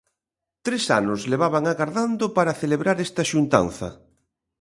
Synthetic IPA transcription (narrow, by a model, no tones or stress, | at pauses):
t̪ɾesa̰nʊsleβaβaŋaɣaɾðand̪opaɾaθeleβɾaɾɛst̪ɐʃunt̪a̰nθɐ̰